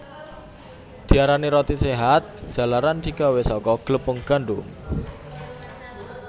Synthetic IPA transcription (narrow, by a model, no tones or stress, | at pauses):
d̪̥i̤aɾaniɾɔt̪iseɦat̪̚ʒ̥ä̤laɾand̪̥i̤ɡawesɔkɔɡ̥ləpəŋɡ̥a̤ɳɖum